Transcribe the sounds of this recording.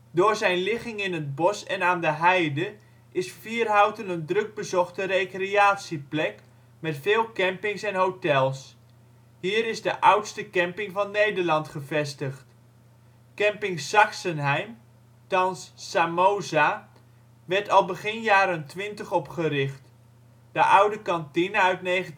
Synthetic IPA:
dʊːɹzɛjnlɪχɪŋɪnəd̚bɔsɛnaːndəɦɛjdə | ʔɪsfiːrɦawtənəndrɵɡ̚bəzɔχtərejkreaːtsiplɛk | mɛtfɪːlˠkɛmpɪŋsɛnɦowtɛlˠs | hiːɾɪzdəʔʌwtstəkɛmpɪŋvɑnːejdərlɑntχəvɛstəχt | kɛmpɪŋsɑksənɦɛjm | tɑnsːamowza | ʋɛɹtɑlˠbəχɪnjaːɾəntʋɪntəχɔpχəɾɪχt | d̥əʔʌwdəkɑntinəœɥtnejχə

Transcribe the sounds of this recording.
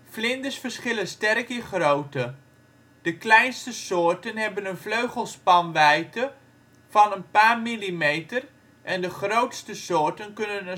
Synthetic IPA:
flɪndəsfəsχɪlənstɛrkɪχrowtə | d̥əklɛjnstəsʊːrtənɦɛbənənfløɥχəlˠspɑnʋɛjtə | fɑnənpaːrmilimejtər | ʔɛndəχrowtstəsʊːɹtənkɵnən

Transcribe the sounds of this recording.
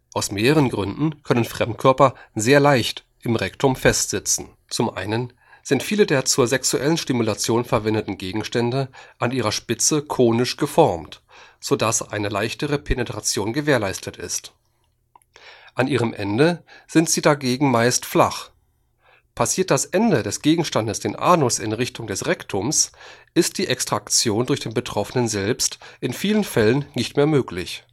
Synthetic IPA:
ʔaʊsmeːʁəʁənɡʁʏndn̩kʰœnənfʁ̥ɛmtkʰœɐpɐzeːɐlaɪçt | ʔɪmʁɛktʰʊmfɛstz̥ɪt͡sn̩ | t͡sʊmʔa̰ɪnən | z̥ɪntfiːlədeːɐt͡suːɐzɛksuʔɛlənʃtɪmulat͡sjoːnfɛɐvɛndətn̩ɡeːɡŋ̩ʃtɛndəʔaniːʁɐʃpɪt͡səkʰoːnɪʃɡ̥əfɔɐmtz̥odasʔa̰ɪnəlaɪçtəʁəpʰenətʁ̥at͡sjoːnɡəveːɐlaɪstʰətɪ̰st | ʔanʔiːʁəmʔɛndəz̥ɪntz̥iːdaɡeːɡŋ̩maɪstfla̰χ | pʰasiːɐt̚d̥asʔɛndədɛsɡ̥eːɡŋ̩ʃtandəsd̥eːnʔa̰ːnʊsɪ̰nʁɪçtʊŋdɛsʁɛktʰʊmsʔɪst̚d̥iːʔɛkstʁ̥akt͡sjoːndʊɐçd̥eːnbətʁ̥ɔfənənzɛlpstʔɪnfiːlənfɛlənːɪçtmeːɐmøːklɪç

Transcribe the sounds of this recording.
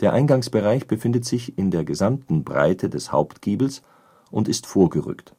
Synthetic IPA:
d̥eːɐʔaɪnɡaŋsb̥əʁaɪçb̥əfɪndətz̥ɪçɪndeːɐɡəzamtn̩bʁa̰ɪtʰədɛsha̰ʊptɡ̥iːbl̩s | ʔʊntɪstfoːɐɡəʁʏ̰kt

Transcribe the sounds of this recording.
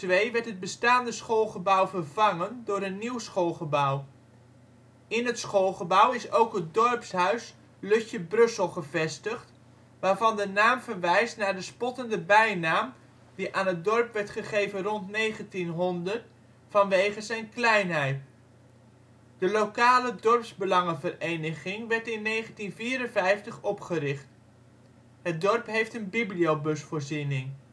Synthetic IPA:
tʋejʋɛɹtɦəd̚bəstaːndəsχolˠχəbʌwvəɹvɑŋəndʊːɾənːiwsχolˠχəbʌw | ɪnɦətsχolˠχəbʌwɪsowkɦət̚dɔɹpsɦœɥs | lɵçəbrɵsəlˠχəvɛstəχt | ʋaːɹvɑndənaːmvəɹʋɛjstnaːɹdəspɔtəndəbɛjnaːm | d̥iʔaːnɦət̚dɔrpʋɛɹtχəχejvənrɔntnejχəntinɦɔndət | fɑnʋejχəzɛjnklɛjnɦɛjt | d̥əlowkaːlədɔrpsbəlɑŋəvərejnəχɪŋʋɛɹtɪnːejχəntinviːɾənvɛjftəχɔpχəɾɪχt | ɦət̚dɔrpɦejftənbibliowbɵsfoːɹzinɪŋ

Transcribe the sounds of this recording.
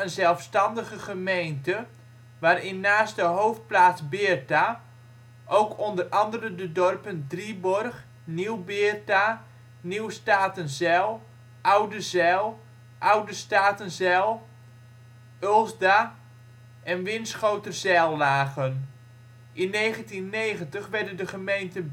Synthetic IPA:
ənzɛlˠfstɑndəɣəχəmejntə | ʋaːrɪnːaːstdəɦowft̚plaːsbɪːrta | ʔowkʰɔndərɑndərəndədɔrpəndribɔrχ | niwbɪːrta | niwstaːtənzɛlˠ | ʔawdəzɛlˠ | ʔawdəstaːtənzɛlˠ | ølˠzda | ʔɛnʋɪnsχowtəzɛlˠːaːɣən | ʔɪnːejχəntinːejχəntəχʋɛrdəndəχəmejntən

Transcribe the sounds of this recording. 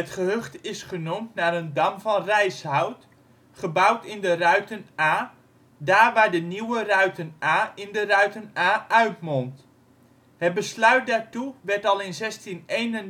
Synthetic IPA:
ətχəɦøχtɪsχənumtnaːɾəndɑmvɑnrɛjshɦɔwt | χəbʌwtɪndərœɥtənaː | daːɹʋaːɹdəniwərœɥtənaːɪndərœɥtənaːœɥtmɔnt | ɦət̚bəslœɥt̚daːɹtuʋɛɹtɑlˠɪnzɛstinejnən

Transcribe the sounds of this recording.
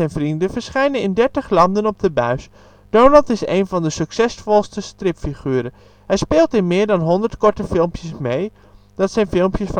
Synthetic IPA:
ɛjnvrindəvəɹsχɛjnənɪndɛɹtəχlɑndənɔb̚dəbœɥs | d̥ownɑntɪsḛjnvɑndəsɵksɛsfɔlˠstəstrɪpfiχyːɾə | ɦɛjspeːlˠtɪnmɪːɹdɑnɦɔndəɹtkɔɹtəfɪlˠmpjəsmej | d̥ɑtsɛjnfɪlˠmpjəsf

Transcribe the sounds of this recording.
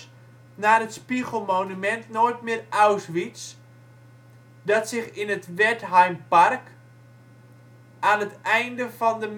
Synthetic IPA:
naːətspiɣəl̩ˠmoːnymɛntnojtmɪːrawsʋit͡s | dɔtsɪxɪnətʋɛtɦajmpark | aːnətɛjndəvɔndəm

